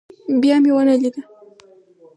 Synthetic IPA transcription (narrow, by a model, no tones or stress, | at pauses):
bijamɪwanaʎɪɢa